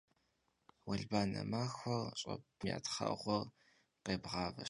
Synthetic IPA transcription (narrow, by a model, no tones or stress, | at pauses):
wɐɮbaːnɐmaːxʷɔrɕʼɐ̰pmja̰ːtʰχɐ̰ʔʁʷɔr | qeːbʁɑːvɐ